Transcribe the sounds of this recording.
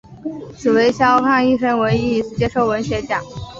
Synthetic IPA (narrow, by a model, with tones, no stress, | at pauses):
t͡sʰɹ̩˨˩we˧˥ɪɕjɑ˥ʊkʰɑ˥˧ŋi˥˧ʂə˥ŋwe˧˥ɪi˥˩˨ʂɻ̩˥˩t͡ɕjɛ˥ʂo˥˩ʊwə˧˥nɕɥɛ˧˥t͡ɕjɑ˨˩˦ŋ